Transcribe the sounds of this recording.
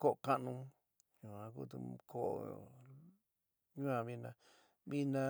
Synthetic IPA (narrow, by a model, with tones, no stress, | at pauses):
ko˦ʔo˨kã˦˧ʔnũ˧ | ɲũ˨ã˧kṵ˦t̪ṵ˧kʰo˦ʔo̰˧˨ | ɲũ˦ã˧βi˧nã˧ | βi˦nã˧